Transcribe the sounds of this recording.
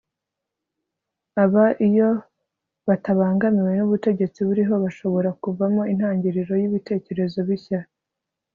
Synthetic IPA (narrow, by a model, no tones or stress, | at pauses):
aβaʔijo̞ | βataβaːŋɡamiwe̞nuβute̞ɟe̞t͡siβuɾiɦo̞βaʃo̞βo̞ɾakuvamo̞in̥haːɲɟiɾiɾo̞jiβite̞ːce̞ɾe̞zo̞βiça